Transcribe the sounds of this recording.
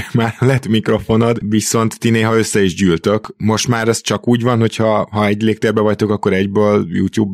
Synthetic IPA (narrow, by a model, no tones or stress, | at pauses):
maːɾlɛt̪mikro̞fo̞nod̪ʋiso̞nt̪ːineːɦɒø̞sːɛiʒɟyːlt̪ø̞kmo̞ʃt̪maːɾɛst͡ʃɒkuːɟvɒnho̞chɒɦɒɛɟleːk̚t̪eːrbɛvɒct̪o̞kɒkːo̞ɾɛɟbøːljṵːt̪juːb